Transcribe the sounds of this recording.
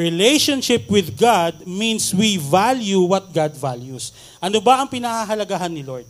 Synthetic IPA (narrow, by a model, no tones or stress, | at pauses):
ɹɪlɛjʃɐnʃɪpwɪðɡad̪̚mĩnswivaljuwɐt̪̚ɡad̪valjus | ʔɐnobɐʔɐŋpɪnahaɦɐlɐɡaɦanːɪloɹd̪̚